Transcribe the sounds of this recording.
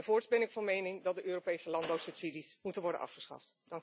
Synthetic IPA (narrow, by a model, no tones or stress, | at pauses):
vʊːɹtbɛnɪkfɑnmejnɪŋdɑtdəʔøːropejsəlɑnbawsɵpsidismutənʋɔɹdə̰nʔɑ̰fχəsχɑ̰ftdɑŋk